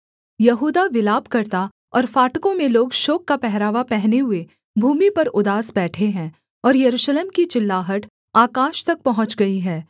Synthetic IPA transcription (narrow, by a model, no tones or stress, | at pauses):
jɐɦuːd̪aʋɪlaːbkɐɾt̪a | ɔːɾfaːʈkõmẽloːɡʃoːkːapɛɦɾaːʋapɛɦneɦʊe | bʱuːmipɐɾʊd̪aːsbɛːʈʰeɦɛ̃ː | ɔːɾjɐɾuːʃleːmkit͡ʃɪlːaːɦəʈ | aːkaːʃt̪ɐk̚pɐɦʊ̃t͡ʃɡɐiɦɛː